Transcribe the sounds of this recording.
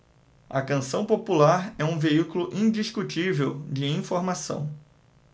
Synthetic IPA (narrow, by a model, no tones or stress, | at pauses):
ɐ̰kɐ̃sɐ̃w̃populaɾɛũveikulʊʔĩd͡ʒiskut͡ʃivewd͡ʒɪĩfoɾmasɐ̰̃w̃